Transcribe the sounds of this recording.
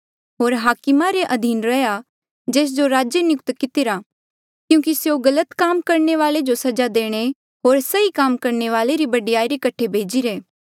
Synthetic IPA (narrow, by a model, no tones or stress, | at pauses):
ɦoːɾɦaːkɪmaɾeʔɐd̪ʱiːnɾɐja | d͡ʒeːs̬d͡ʒoɾaːd͡ʒjənɪjʊk̚t̪kɪt̪ɪɾa | kjũːkisjoɡɐlət̪kaːmkɐɾɳeʋaːled͡ʒosɐd͡ʒad̪eːɽ̃e | ɦoːɾsɐikaːmkɐɾneʋaːleɾibɐɖijaːiɾekɐʈʰebʱeːd͡ʒiɾeː